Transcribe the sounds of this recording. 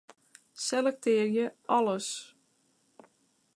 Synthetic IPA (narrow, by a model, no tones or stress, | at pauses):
selɛk̚tɪərjəɔləs